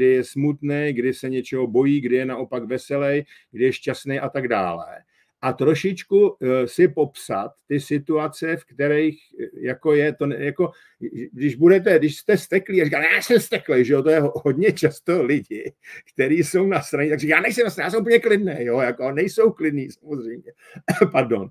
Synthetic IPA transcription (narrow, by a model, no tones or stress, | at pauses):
dɪjɛsmut̪nɛjɡdɪsɛɲɛt͡ʃɛɦo̞bo̞jiːɡdɪjɛnaʔo̞pakvɛsɛlɛj | ɡdɪjɛʃcast̪nejʔat̪aɡda̰ːlɛ̰ | ʔat̪ɾo̞ʃɪt͡ʃkusɪpo̞psat̪ːɪsɪt̪uat͡sɛfkt̪ɛɾɛjxjako̞jɛt̪o̞njako̞ | dɪʒbudɛt̪ɛdɪʃst̪ɛst̪ɛkliːarikajaːnjsɛmst̪ɛklɛjʒɛo̞t̪ojɛɦoɦo̞dɲɛt͡ʃast̪olɪɟɪkt̪ɛɾiːso̞wnast̪ɾaɲɛt̪aɡrikːjaːnɛjsɛmnast̪ɾaɲjaːsɛmupəɲɛklɪdnɛːjojako̞nɛjso̞wklɪdniːsamozrɛjmɲɛ | paɾdo̞̰n